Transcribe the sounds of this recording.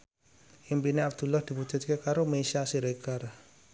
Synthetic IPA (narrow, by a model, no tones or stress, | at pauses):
ʔimpineabd̪̥ṳlɔhd̪̥i̤pu̥d͡ʒʒ̥ṳt̪̚kekaɾomesasiɾekar